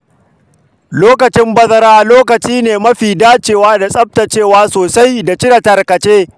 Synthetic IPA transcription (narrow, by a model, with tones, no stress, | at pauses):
loː˦kɐ˨t͡ʃɪ˦mbɐ˦zɐ˦ɾaː˦ʔloː˦kɐ˨t͡ʃiː˦neː˨mɐ˦ɸiː˨daː˦t͡ʃeː˨waː˦da˨sʼɐ˦p̚ta˨t͡ʃeː˦˨waː˦soː˨sa˦jda˨t͡ʃɪ˦ɾɐ˨tɐ˨rkɐ˨t͡ʃeː˦